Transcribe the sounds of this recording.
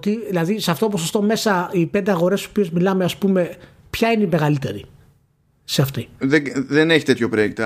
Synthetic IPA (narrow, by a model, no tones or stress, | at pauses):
ot̪iðilɐðiseɐft̪oopo̞sost̪o̞me̞sɐipe̞nd̪eɐɣo̞ɾe̞so̞pie̞zmilɐmeɐspume̞ | pçɐineime̞ɣɐlit̪e̞̰ɾḭ | seɐft̪iðeðeneçi̥t̪e̞t̪çopɾoekt̪ɐ